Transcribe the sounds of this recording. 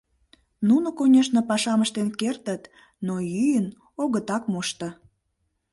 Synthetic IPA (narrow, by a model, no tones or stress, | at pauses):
nunŏkonʲeʃnəpɑʃɑməʃt̪enkert̪ət̪ | nojyjən | oɣət̪ɑkmuʃt̪ə̆